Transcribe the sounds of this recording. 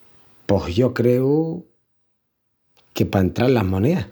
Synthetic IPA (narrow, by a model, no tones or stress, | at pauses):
pohjokɾeu | kepaent̪ɾaɾlamonea